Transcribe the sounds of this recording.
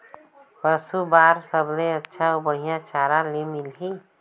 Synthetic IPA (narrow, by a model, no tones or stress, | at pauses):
pəsubaːɾsəbleətːʃʰaobəɽ̤ijãt͡ʃaːɾãlemilɦi